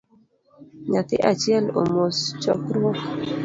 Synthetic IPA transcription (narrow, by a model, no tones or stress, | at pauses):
ɲat̪ɪ̰ʔat͡ʃiɛlo̰most͡ʃɔ̰kɾok